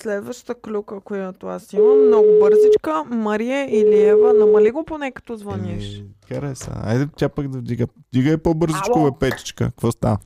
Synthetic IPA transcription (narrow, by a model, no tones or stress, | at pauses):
slɛd̪vɐʃt̪əklʲukəkojjat̪oasimənɔɡʊbɤɾzit͡ʃkəmɐɾiɛiliɛvənɐmɐliɡoponɛkɐ̥t̪ɔzvɐniʃxɐɾɛsnə̰a̰jd̪ɛt̪ʲjapakd̪ɐvd̪iɡəvd̪iɡəɛpɔbɤɾzit͡ʃkovɛpɛt̪i̥t͡ʃkə̰kvɔst̪a̰v